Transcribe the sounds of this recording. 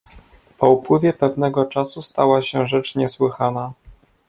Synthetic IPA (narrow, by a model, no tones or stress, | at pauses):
pɔupwɘvʲjɛpɛvnɛɡɔt͡ʂasust̪awaɕɛʐɛt͡ʂɲɛswɘxana